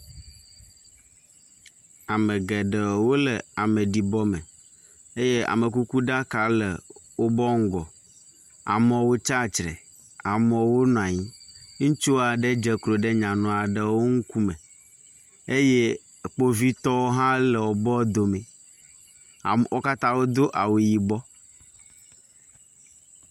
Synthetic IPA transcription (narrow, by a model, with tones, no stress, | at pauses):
a˨me˨ɡɛ˨ɖə˨wo˦le˨a˨me˨ɖi˨bɔ˦me˨ | e˦je˦a̰˨me˨ku˦ku˦ɖa˦ka˨le˨wo˦bɔ˦ŋ̩˦ɡɔ˨ | a̰˨mɔ̃˨wo˦t͡ʃa˦˨t͡ʃɾḛ˨ | a˨mɔ̃˨wo˦nɔ̃˨a˨ɲĩ˦ŋũ˦t͡ʃu˦a˨ɖe˦d͡ʒe˨klo˨ɖe˦ɲã˨nɔ̃˨a˨ɖe˨wo˦ŋu˦ku˦mẽ˨ | e˦je˦˨ | k͡po˦vi˦t̪ɔ˦wo˦ɦã˦le˨wo˨bɔ˦d̪o˨me˨ | wo˦ka˦t̪ã˦wo˦d̪o˦ʔa˨we˨ji˨bɔ˦